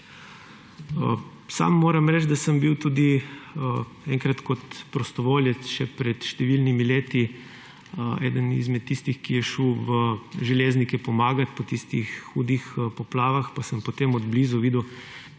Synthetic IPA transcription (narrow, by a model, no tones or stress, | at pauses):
ə | sa̰mːoːɾamɾɛt͡ʃd̪asəmbiwt̪uːd̪i | ɛŋkɾat̪kɔt̪pɾɔst̪ɔʋoːljɛsʃɛpɾɛt̪ʃt̪ɛʋilnimileːt̪i | ɛ̰ːd̪ənḭzmɛt̪ːist̪ixkijɛʃuwʋəʒɛleːznikɛpɔmaːɡat̪pɔt̪ist̪ixːuːd̪ixpɔplaːʋaxpasəmpɔt̪emɔd̪blizuʋiːd̪uw